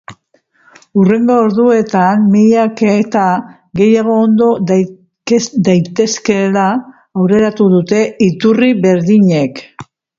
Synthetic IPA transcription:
ure̞ŋɡo̞ːɾðue̞t̪anmijaket̪a | ɡe̞jaɣ̞o̞ːnd̪o̞ | d̪ajt̪e̞ske̞laː | wɾe̞ɾat̪uðut̪e̞it̪uriβe̞ɾðiɲe̞k

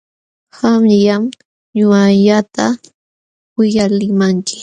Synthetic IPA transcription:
hamjam | ɲʊaʎat̪a | wɪjalɪmaŋkɪ̥

